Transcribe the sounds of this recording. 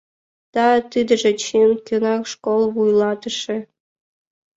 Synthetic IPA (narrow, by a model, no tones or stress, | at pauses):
t̪ɑt̪ɨd̪ə̆ʐĕt͡ɕenkʲønɑkʂkolˠβujlˠɑt̪ɤ̆ʂĕ